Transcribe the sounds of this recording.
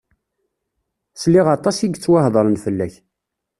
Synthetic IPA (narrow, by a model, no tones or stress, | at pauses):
sliʁɑt̪ˤɑsiɡt͡sːwahðˤəɾˤənfəlːæç